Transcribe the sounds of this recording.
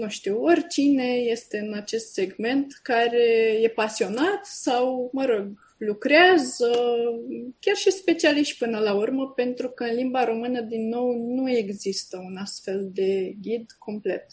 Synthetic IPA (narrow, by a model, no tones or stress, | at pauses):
nuʃt̪iwo̞rʲt͡ʃine̞je̞st̪e̞ɨnat͡ʃe̞st̪se̞ɡme̞nt̪kaɾe̞je̞pasio̞nat̪sawməɾo̞ɡ | lukɾeazə | kʲarʃispe̞t͡ʃialiʃt̪ʲpɨnəlaurməpe̞nt̪ɾukəɨnlimbaɾo̞mɨnəd̪inːo̞wnue̞ɡzist̪əunast̪fe̞ld̪e̞ɡʲid̪ko̞mple̞̰t̪